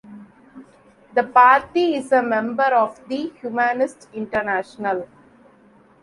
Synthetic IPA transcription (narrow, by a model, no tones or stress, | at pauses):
d̪əpaːɾʈiɪzəmɛ̃mbəɾɔːʋd̪ihjumanɪsʈɪ̃ɳʈəɾnæːʃənəl